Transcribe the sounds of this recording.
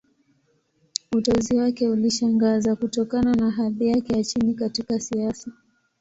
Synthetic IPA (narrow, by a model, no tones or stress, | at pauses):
utɔziwakɛuliʃaŋɡazakutɔkananaɦaðijakɛjat͡ʃinikatikasiasa